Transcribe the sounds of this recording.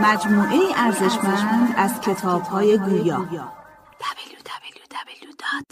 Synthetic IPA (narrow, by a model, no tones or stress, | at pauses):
mæd͡ʒmuːʔejiʔæɾze̞ʃmæʃmænd̪æzcʰe̞t̪ʰɒːb̥hɒːje̞ɡuːjɒːjɒː